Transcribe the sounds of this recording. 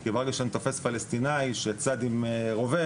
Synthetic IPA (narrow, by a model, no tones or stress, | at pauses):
kevaʁɡaʃant̪o̞fe̞sfalest̪inajʃet͡sad̪imʁove